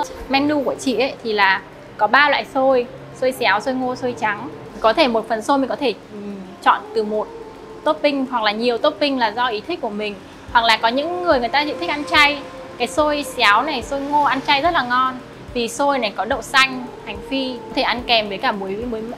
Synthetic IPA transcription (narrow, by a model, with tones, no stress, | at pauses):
mɛ˧nlu˧ku˧˩ət͡ɕḭ˧˨ʔə˨˦jt̪ʰi˨˩laː˨˩ | kɔ˨˦ɓaː˧lwa̰ː˧˨jso˧j | so˧jsaː˨˦wso˧jŋo˧so˧jt͡ɕa˨˦ŋ˩ | kɔ˨˦t̪ʰe˧˩mo˨˩t̚fə˨˩nso˧jmi̟˨˩kɔ˨˦t̪ʰe˧˩˨ | t͡ɕɔ̰˧˨nt̪ɨ˨˩mo˨˩t̚ | t̪o˦˥t̚ɓï˧ŋ̟hwa˨˩k̚laː˨˩ɲi˨˩əwt̪o˦˥t̚ɓï˧ŋ̟laː˨˩zɔ˧ʔi˨˦t̪ʰï˦˥k̟̚ku˧˩əmï˨˩ŋ̟ | hwa˨˩k̚laː˨˩kɔ˨˦ɲɨ̰˧˥ŋːɨ˨˩əjŋ˨˩əjt̪aː˧zḭ˧˨nt̪ʰi˦˥k̚ʔa˧nt͡ɕa˧j | kaː˨˦jso˧jsaː˨˦wna˨˩jso˧jŋo˧ʔa˧nt͡ɕa˧jzə˦˥t̚laː˨˩ŋɔ˧n | vi˨˩so˧jna˨˩jkɔ˨˦ɗə̰˧˨wsa˧jŋ̟ha˨˩jŋ̟fi˧kɔ˨˦t̪ʰe˧˩ʔa˧nkɛ˨˩mvəː˨˦jkaː˧˩ɓu˨˦jmu˨˦j